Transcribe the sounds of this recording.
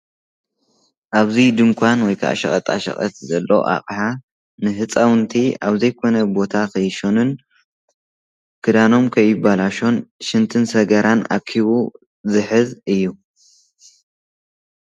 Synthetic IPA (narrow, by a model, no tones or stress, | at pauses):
ʔaβzid̪ɨŋkʷʰanwɔjkʰa̰ʔʃɐ̰χʼɐt̪ʼa̰ʃɐ̰χʼɐ̰t̪zɐlːo̰ʔa̰χʼħa | nɨɦɨt͡sʼawnt̪ʰiaβzɐjkʰo̞nɐbo̞t̪ʰakʰɐjʃonɨn | kʰɨd̪ano̞mkʰɐjːɪbalaʃo̞nʃɨnt̪ʰɨnsɐɡɐɾʔana̰kʰːiβu | zɨħɨzɨjːu